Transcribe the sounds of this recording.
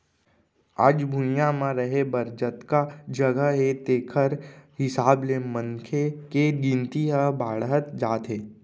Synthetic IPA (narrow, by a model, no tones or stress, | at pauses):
a̰ːd͡ʒbʱujãmãɾəɦebəɾd͡ʒət̪kad͡ʒəɡəɦet̪eːkʰəɾhɪsaːblemə̃ŋkʰekeɡĩnt̪iɦəbaːɽɦət̪d͡ʒaːt̪ɦeː